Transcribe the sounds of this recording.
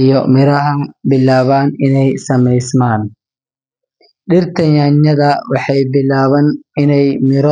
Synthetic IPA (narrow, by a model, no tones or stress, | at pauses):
jɔmɪɾɐɦɐnbɪlːaːβaːnɪnɛjsɐmɛjsmaːn | ɗɪɾt̪ɐɲaːɲːɐd̪ɐwɐħɐjbɪlːaːβɐnɪnɛjmɪɾɔ